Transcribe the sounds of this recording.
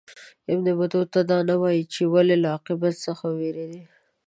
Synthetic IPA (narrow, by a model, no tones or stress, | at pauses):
ɪbnebad̪ot̪ad̪ɑnawɑjit͡ʃewalelaaqɪbat̪səxaweɾed̪i